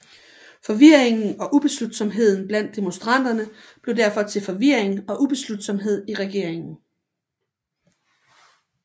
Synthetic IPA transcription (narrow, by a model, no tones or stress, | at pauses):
fɒ̽ʋiɐ̰e̝ŋn̩ɒ̽ʔub̥e̝slud̥sɒ̽mɦe̝ð̞̰ˠn̩b̥læn̰d̥e̝mo̝nsd̥ʁɑ̈n̰d̥ɐnə | b̥le̝ʊd̥æɐfɒ̽t͡sʰe̝lfɒ̽ʋiɐ̰eŋɒ̽ʔub̥e̝slud̥sɒ̽mɦe̝ð̞̰ˠiʁaɡ̥e̝ɐ̰eŋn̩